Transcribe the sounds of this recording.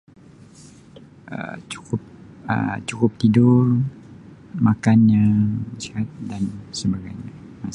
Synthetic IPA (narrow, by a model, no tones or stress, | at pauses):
ə̰t͡ʃu̥kʊp̚ə̰t͡ʃukʊp̚t̪idʊr | makanɲasiat̪̚dansəbaɡajɲa | ma